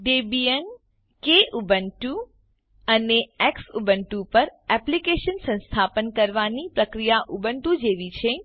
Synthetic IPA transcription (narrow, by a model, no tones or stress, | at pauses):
ɖebiən | keʔubəɳʈu | əneɛksubəɳʈupəɾɛplikeʃənsə̃nst̪ʰapənkəɾʋanipɾəkɾijaʔubəɳʈud͡ʒeʋit͡ʃʰe